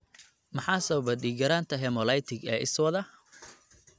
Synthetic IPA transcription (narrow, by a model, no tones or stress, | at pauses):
mɑħɑːsɐβbɐɗiːɡɐɾaːnt̪ʰɐɦɛmɔlɐjt̪ʰɪɡɛːʔɪswɐðɐ